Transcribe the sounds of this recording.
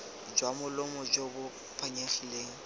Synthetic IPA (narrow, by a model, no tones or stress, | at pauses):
d͡ʒwamʊlʊmɔd͡ʒobʊ | pʰaɲaχileːŋ̩